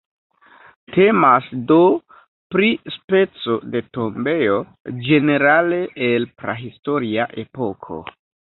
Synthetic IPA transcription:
tʰe̞masdo̞ | pɾispe̞t͡so̞de̞to̞mbe̞jo̞ | d͡ʒe̞ne̞ɾale̞ʔelpɾa̰ɦisto̞ɾiaʔe̞po̞kʰo̞̰

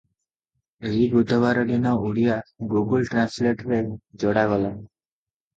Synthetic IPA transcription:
eɦibud̪ʱːɔbaɾɔdinɔuɽijaɡuɡəlʈɾãnsleʈɾed͡ʒɔɽaɡɔla

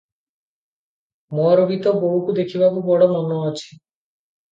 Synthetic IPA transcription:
mɔɾobit̪ɔboɦukud̪ekʰibʱabubɔɽɔmɔnɔːt͡ʃʰi̥

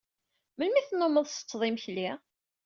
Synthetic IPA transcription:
məlmiθənːomːəðˤsə̥t͡sːðˤimçli

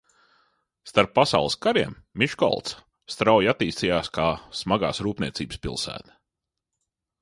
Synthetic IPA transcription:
st̪aɾpːasa̰ʊlˠəskaɾiɛmːiʃkɔ̰lˠt̪s | st̪ɾawjat̪ːiːst̪ijaːskaːsmaɡa̰ːsɾuːpnʲiɛt̪sʲiːbə̥spʲilˠsæ̰ːt̪ɐ̥

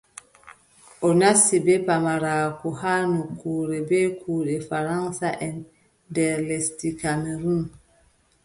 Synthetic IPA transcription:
ʔɔnasːibɛpamaɾakɔhanukuːɾɛbɛkʰuːɗɛfaɾaŋsaʔɛn | dɛɾlɛstikameɾum

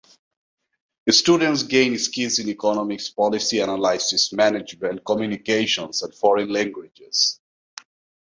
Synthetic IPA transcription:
ɨstudə̃nts̬ɡẽɪ̃nskilzɪ̃nikɔnɔmɪkspɔlɪsiænəlaɪzɪsmænɪd͡ʒbɛ̃lkɔmjunikeʃə̃nsæ̃nfɔɹə̃nlæ̃ŋɡwɪd͡ʒɪz̥

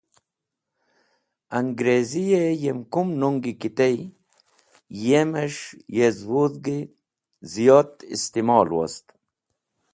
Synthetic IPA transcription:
ɐŋɡɾezijejemkumnuŋɡikit̪ej | jemeʂjezwuðɡi | zijɑːt̪ḭst̪imɑːlwa̰st̪

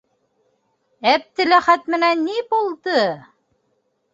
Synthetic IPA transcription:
æp̚t̪ɘ̆læχæt̪mɘ̆nænːibulˠd̪ɤ

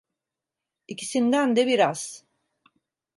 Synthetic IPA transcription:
icʰisind̪ænd̪ɛbiɾaz̥

